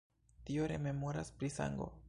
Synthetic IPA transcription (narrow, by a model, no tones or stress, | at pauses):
tio̞ɾe̞me̞mo̞ɾaspɾisa̰ŋɡo̞̰